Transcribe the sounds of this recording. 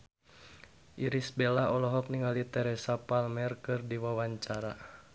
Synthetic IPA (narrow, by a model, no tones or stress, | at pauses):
ʔiɾisbɛlaɔlɔɦɔk̚niŋalit̪ɛɾɛsapalmɛrkɨrdiwawaɲt͡ʃaɾa